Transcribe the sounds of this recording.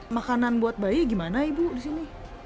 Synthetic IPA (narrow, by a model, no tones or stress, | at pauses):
makananbuat̪̚baiɡimanaibudisini